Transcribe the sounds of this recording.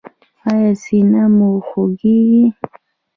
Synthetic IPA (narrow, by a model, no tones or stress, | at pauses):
ajasinamuxoɡiɣi